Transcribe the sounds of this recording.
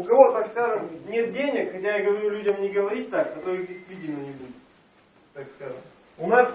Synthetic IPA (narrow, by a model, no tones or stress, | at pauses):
ʊkɐvo̞t̪akskaʐɨmnʲe̞t̪̚dʲenʲɪkxɐtʲajaɡəvɐɾʲulʲudʲəmnʲɪɡəvɐɾʲit̚ʲt̪akɐt̪ojɪɪsʲvʲidʲɪnːɨjɪbʲudʲɪt̪ | t̪akskaʐɨ̰m | ʊnas